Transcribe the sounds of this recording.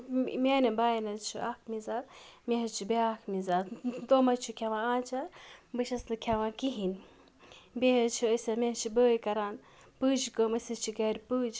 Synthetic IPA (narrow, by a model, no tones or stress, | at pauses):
mʲeːnɐbaːjnɐt͡ʃʰuaːkʰmizaːt̪meɦɐt͡ʃʰubeaːkʰmizaːt̪d̪oːmɐt͡ʃʰukʲʰɐʋãːaːt͡ʃʰabɨʃɐslɨkʲʰɐʋãːkiɦin | beɦɐt͡ʃʰuəsʲɐmeɦt͡ʃʰibəːjkɐɾaːn | pɨːd͡ʒkəmɐsɐt͡ʃʰiɡɐɾʲpɨːd͡ʒ